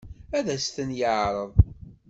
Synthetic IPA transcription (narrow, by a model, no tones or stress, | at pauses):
æðæst̪ənjəʕɾˤəðˤ